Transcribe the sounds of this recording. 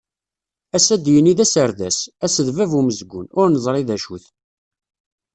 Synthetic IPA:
æsæd̪jəniðæsəɾðæsæsəðvævuməzɡʷʊ̰nʊɾnəzˤɾˤiðæʃuθ

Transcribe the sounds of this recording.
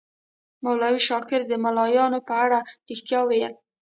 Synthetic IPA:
mawlɑwiʃɑkɪɾd̪əmalɑjɑnopəaɽaɾixt̪jɑwejəl

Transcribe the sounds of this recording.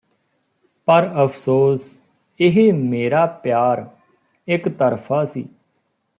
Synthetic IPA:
pəɾəpʰsoːs | ɪɦeːmeːɾaːpjaːɾ | ɪkt̪əɾpʰaːsḭː

